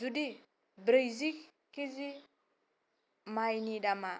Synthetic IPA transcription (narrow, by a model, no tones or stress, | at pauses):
zudi | bɾejzik | kizi | majniɗama